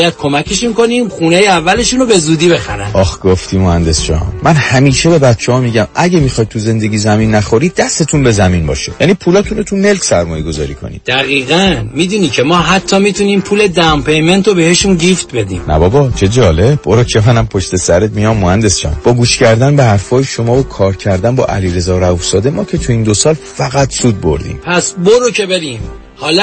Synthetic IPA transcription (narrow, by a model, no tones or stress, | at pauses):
jæd̪̥̚kʰo̞mækʰe̞ʃunko̞niːmχunejeævːæle̞ʃunobe̞zuːd̪iːbe̞xæɾæ̰nɒxɡ̥oft̪ʰiːmohænd̪e̞st͡ʃɒ̰mːʔænhæmiːʃebe̞bæt̪t͡ʃʰɛhɒːmiɟæmʔæɟemixɒjd̪̚t̪ʰuze̞nd̪e̞ɟiːzæminːæxoɾiːd̪̚d̪æst̪et̪ʰunbe̞zæmiːnbɒ̰ːʃejæniːpʰuːlɒːt̪ʰunot̪ʰune̞lcʰsæɾmɒːjeɡo̞zɒ̰ːɾiːkʰo̰nḭd̪̥æɣiːɣænmiːd̪uːnicʰemɒːɦæt̪ʰːɒːmit̪ʰuniːmpʰuːle̞d̪æmpejment̪obeheʃunɡift̪̚be̞d̪ḭːmnæ̰bɒbɒt͡ʃʰe̞d͡ʒɒːle̞b̚boɾocʰemænæmpʰoʃt̪e̞sæɾet̪̚mijɒmːohænd̪e̞st͡ʃɒ̰mb̥ɒːɡuːʃcæɾd̪ænbehæɾfɒːjeʃomɒːvokʰɒːɾcʰæɾd̪ænbɒ̰ːʔæ̰liɾe̞zɒːɾæufsɒːd̪e̞mɒːcʰe̞t̪ʰuiːnd̪osɒːlfæɣæt̪suːd̪̚bo̰ɾd̪ḭːmpʰæsboɾocʰebeɾiːm | hɒːl